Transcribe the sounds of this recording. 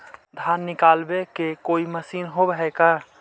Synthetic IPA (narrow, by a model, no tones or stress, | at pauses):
d̪ʱjaːnːɪkaːlbekekoːiməsiːnɦobəɦɛka